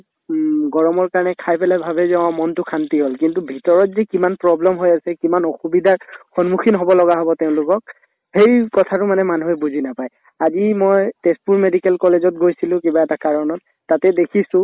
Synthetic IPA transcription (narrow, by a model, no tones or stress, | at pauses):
ɡɔɹɔmɔɹkaɹɔnɛkʰajpɛlabʱabɛzɛɔ̃amɔntʊkʰantiɦolkintubʱitɔɹɔtzikimanpɹɔblɛmɦojasɛkimanɔxubidʱaɹxɔnmuxʰinɦɔbɔlɔɡaɦɔbɔteʊ̃lʊkɔk̚ | hejkɔtʰatʊmanɛmanuɦɛbuzʱinapaj | azimojtespuɹmedikɛlkɔlezɔt̚ɡojsilʊ̃kibaɛtakaɹɔnɔt̚ːatɛdekʰisʊ̃